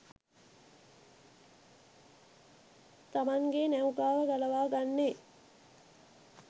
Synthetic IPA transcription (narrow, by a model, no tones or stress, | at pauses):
t̪amaŋɡenæwɡaːʋəɡalɐʋaːɡanːe